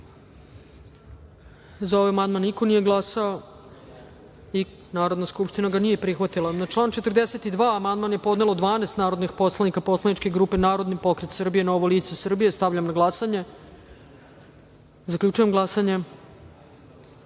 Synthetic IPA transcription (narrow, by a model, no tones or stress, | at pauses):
zao̞ʋajamand̪manːiko̞nije̞ɡlˠasao | i | naːɾod̪naskupʃt̪inaɡanije̞pɾixʋat̪ilˠanat͡ʃlˠaːnt͡ʃe̞t̪ərd̪ese̞t̪id̪ʋaːamand̪manje̞po̞d̪ne̞lod̪ʋaːnest̪naːɾo̞d̪nixpo̞slanikapo̞slˠanit͡ʃkeɡɾuːpe̞naːɾo̞d̪nipo̞kɾet̪sr̩bije̞naoʋoliːt̪sesr̩bije̞st̪avʎamnaɡlˠasaɲe̞ | zakʎuːt͡ʃujemɡlˠasaɲe̞